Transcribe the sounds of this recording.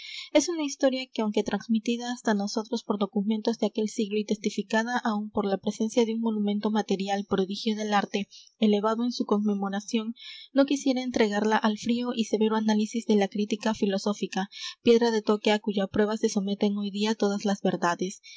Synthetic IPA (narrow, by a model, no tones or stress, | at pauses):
e̞sunaist̪o̞ɾjake̞awŋke̞t̪ɾanzmit̪iðaːst̪ano̞so̞t̪ɾo̞spo̞ɾdo̞kume̞nt̪o̞zðe̞ake̞lsiɣlo̞it̪e̞st̪ifikaðaʔaumpo̞ɾlapɾe̞se̞nsjaðe̞uŋmo̞nũmẽ̞nt̪o̞mat̪e̞ɾjalpɾo̞ðixjo̞ðe̞laɾt̪e̞ele̞βaðoe̞nsuko̞ŋme̞mo̞ɾasjo̞nːo̞kisje̞ɾaent̪ɾe̞ɣaɾlaʔalfɾio̞ʔise̞βe̞ɾoanalisizðe̞lakɾit̪ikafilo̞so̞fikapje̞ðɾaðe̞t̪o̞ke̞akuʝapɾwe̞βase̞so̞me̞t̪e̞ŋojðiat̪o̞ðazlazβe̞ɾðaðe̞s